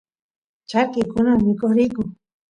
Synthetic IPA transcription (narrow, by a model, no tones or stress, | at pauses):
t͡ʃaɾkɪkʊnamɪkoχɾɪkʊ